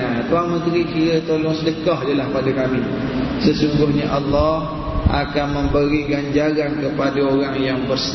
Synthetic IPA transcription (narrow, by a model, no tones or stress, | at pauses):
at̪uaŋmə̃t̪ɾikiɾət̪olɔŋsələkɑɦdalahpadakami | səsuŋɡʊhɲaʔalːɔh | ʔa̰kanmə̃mbəɾiɡaɲd͡ʒaɾankəpadaoɾaŋjaŋbərs